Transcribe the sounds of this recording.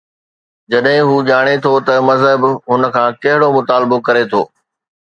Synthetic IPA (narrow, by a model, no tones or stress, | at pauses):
d͡ʑɐɗɦɪ̃ɦuːʄaːɽ̃et̪ʰot̪ɐmɐzɦəbɦʊnə̆kʰãːkɐɦɪɽomʊt̪aːlɪbokɐɾet̪ʰoː